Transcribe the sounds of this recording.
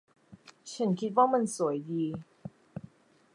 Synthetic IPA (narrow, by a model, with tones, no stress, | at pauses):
t͡ɕʰa˦˥nkʰi˦˥t̪̚waː˥˩ma˧nsu˩˦əjdiː˧